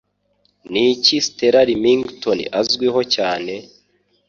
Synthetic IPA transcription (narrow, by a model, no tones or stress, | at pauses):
nicisteɾaɾimiŋɡtonḭʔazɡwiɦo̞caːne̞